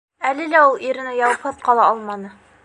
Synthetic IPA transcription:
ælɘlæulˠiɾɘ̆nɘjɑwɤ̆pʰɤp̚qɑlˠɑɑlˠmɑnɤ

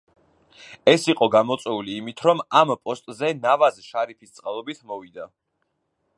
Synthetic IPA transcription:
ɛsiqʼɔɡamɔt̪sʼwɛuliːmit̪ʰɾɔmampʼɔst̪ʼzɛnavazʃaɾipʰist̪sʼqʼalˠɔbit̪ʰmɔvid̪a

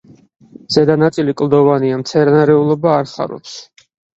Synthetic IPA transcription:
z̥ɛd̪anat̪sʼilikʼlˠd̪ɔvaniamt̪sʰɛɾnaɾɛulˠɔbaːɾχa̰ɾɔ̰ps

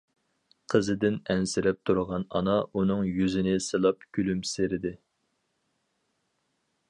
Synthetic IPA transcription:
qʰəzɨɪd̪ɪnɛnsɪɾɛp̚t̪ʰuɾəʁɑnɑnɑʔunɨŋjyzɪnɪsɨlˠɑpkʲʰylymseɾɪd̪ɪ

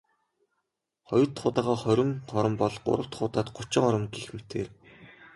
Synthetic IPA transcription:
χɔjɞ̆rt̪χʊːt̪aːʁɔːχœɾʲɪ̆ŋχɔɾə̆mpɔɮɢʊ̰ɾə̆kt̪χʊːt̪aːt̪ɢʊt͡ɕɪ̆ŋɔɾə̆mɡixmet̪ʰeːr

